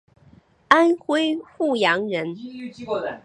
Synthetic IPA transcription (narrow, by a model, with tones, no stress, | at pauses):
a˥nxwe˥ɪxu˥˩jɑ˧˥ŋɻə˧˥n